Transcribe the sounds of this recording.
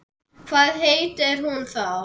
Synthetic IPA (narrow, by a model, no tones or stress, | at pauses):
kʰvaːðɦejt̪ɪɾ̥hunθaw